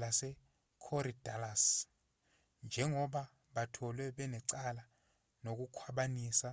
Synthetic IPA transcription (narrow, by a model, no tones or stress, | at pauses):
lasɛ | kʰɔɾidalas | nd͡ʒʱɛŋɔɓa | ɓatʰɔlwɛɓɛnɛǀala | nok̬ukʰwaɓaniːsa